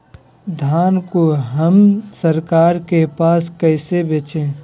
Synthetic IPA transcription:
d̪ʱaːnkoɦəmsəɾkaːɾkepaːskəɪsebeːt͡ʃẽː

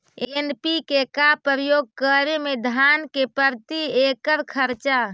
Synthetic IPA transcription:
enpikekapəɾəjoɡ̚kəɾemed̪ʱankepəɾt̪iekəɾkʰəɾt͡ʃa

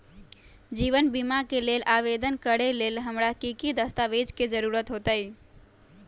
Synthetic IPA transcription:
d͡ʒiʋənbimakelelʔaʋed̪ənkəɾelelɦəmɾakikid̪əst̪aʋed͡ʒked͡ʒəɾuɾət̪ɦot̪əj

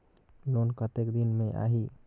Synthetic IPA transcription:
lonkət̪ekd̪inmeʔa̰ɦi

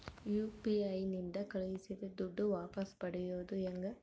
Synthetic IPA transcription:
juːpiɐjnind̪ɐkɐɭujisid̪ed̪uɖːuʋaːpɐspɐɽɛjoːd̪uɛŋɡɐ

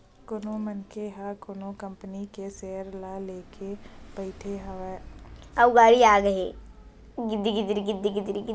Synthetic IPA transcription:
kʊnõmənkeɦakʊnõkəmpənikeseːəɾlaleːkepəɪʈʰeɦaʋɛːɐɡaːɾiaːɡəɦe | ɡɪd̪iɡɪd̪ɾiɡɪd̪iɡɪd̪ɾiɡ

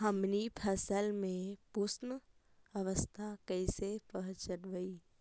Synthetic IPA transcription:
ɦəmnipʰəsəlmẽpusnə | əʋəst̪ʰakəɪsepəɦt͡ʃənʋəi

